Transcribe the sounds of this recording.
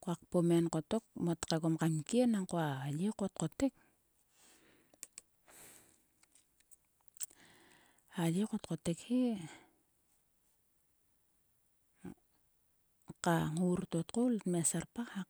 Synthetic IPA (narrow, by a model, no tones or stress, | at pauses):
koak̚pomenkotok̚mot̪kekomkaŋkenaŋkoajekot̪̚qotek̚ | ajekot̪̚qotekhi | qaŋuɾtot̪qolmesarpaha